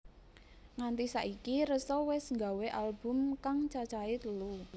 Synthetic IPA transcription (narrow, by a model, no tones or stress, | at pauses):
ŋant̪isaʔikiɾəsɔwɛsŋɡa̤weʔalbʊ̤mkaŋt͡ʃat͡ʃait̪əlu